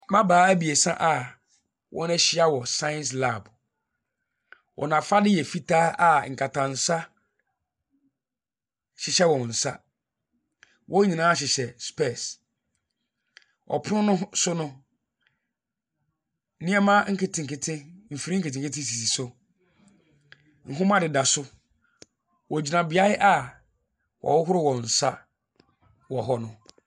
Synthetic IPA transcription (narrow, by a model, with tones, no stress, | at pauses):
mã˦baː˨˦æ˦bi˨e˨sã̰˦ʔa˨ | wʔɔ̰̃˦nɛ˦ɕɪ˦a˦wɔ˨sã˦ɛ̃˦ns̬la˦˨b | wʔɔ̰˨nã˨fa˦dɪ˦jɛ˨fi˦tʰa˦a˨ŋ̩˨kʰa˨tʰã˨n̩˨sa˦ | ɕɪ˨ɕɛ˦wɔ̃˨n̩˨sa˦ | wʔɔ̃˦ɲĩ˨nãː˨˦ɕ̬ɪ˨ɕɛ˨spɛ˦˨s | ʔɔ̰˨pʰʊ˦ʊ̃˦nʊ̃˦sʊ˦nʊ̃˦ | nĩ˦ɛ˦mã˦ŋ̩˦kʰe˨tʰɪ̃˨ŋ̩˨kʰɪ˨tʰɪ̃˦m̩˨fi˨ɾi˦ŋ̩˦ke˨tɪ̃˨ŋkɪ˦tʰɪ̃˦s̬i˨si˨sʊ˦ | ŋ̩˨ɦʊ̃˦mã˦dɪ˨da˨sʊ˦ | wɔ˨d͡ʑi˨nã˨bɪ˨a˦ɪ˦ʔa˦ | wɔ̰˨wʊ˦ɦʊ˦ɾʊ˦wɔ̃˨n̩˨sa˦ | wɔ˨ɦɔ˦nʊ̃˦